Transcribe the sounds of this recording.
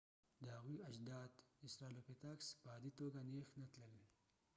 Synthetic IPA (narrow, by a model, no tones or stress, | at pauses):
d̪əhaɣuɐd͡ʒd̪ɑːd̪ɪsɾaːlopet̪aksbaːd̪it̪oɡaneːxnat̪ləl